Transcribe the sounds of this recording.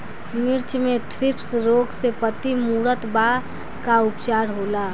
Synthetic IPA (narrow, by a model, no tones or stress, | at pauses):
mɪɾt͡ʃmẽt̪ʰɾɪpsɾoːɡsepət̪imuːɾət̪ba | kaʊpt͡ʃaːɾɦoːlaː